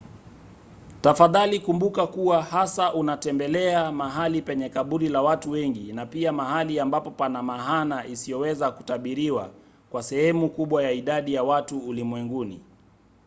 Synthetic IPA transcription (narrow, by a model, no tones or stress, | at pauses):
tafaðalikumbukakuwahasaʔunatɛmbɛlɛamaɦalipɛɲɛkaɓuɾilawatuwɛŋɡinapiamaɦaliambapɔpanamaɦanaisijɔwɛzaku̥taɓiɾiwa | kwasɛhɛmukuɓwajaiɗaɗijawatuːlimwɛŋɡunḭ